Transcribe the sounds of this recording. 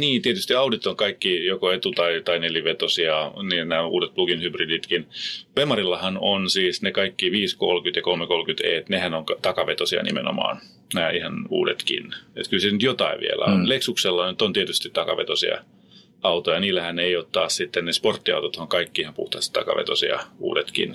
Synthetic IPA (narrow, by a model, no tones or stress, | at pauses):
niːnt̪iet̪yst̪iɑudit̪ːoŋkɑikːijokoet̪ut̪ɑit̪ɑineliʋet̪osiɑniːnæːṵːdet̪plukinhybridit̪kinʋemɑrilːɑhɑnonsiːsnekɑikːiʋiːskolkyt̪jɑkolmekolkyt̪ḛt̪nehænoŋkɑt̪ɑkɑʋet̪osiɑ̰nḭmḛno̰mɑ̰ːn | næːihɑnṵːdet̪kḭnḛt̪kylsenyt̪jot̪ɑiʋḭḛlæ̰o̰nleksukselːɑnyt̪ːont̪iet̪yst̪it̪t̪ɑkɑ̰ʋḛt̪osḭɑ̰ | ɑut̪ojɑniːlːæhæneijoːt̪t̪ɑːssit̪ːennesport̪ːiɑ̰ut̪ot̪hoŋkɑikːihɑmpṵht̪ɑst̪ɑ̰kɑ̰ʋḛt̪osḭɑ̰ṵːdet̪kḭn